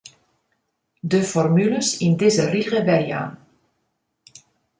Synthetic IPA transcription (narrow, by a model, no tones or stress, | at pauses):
dəfɔrmyləsɪndɪzəriʁəbɛrja̰ːn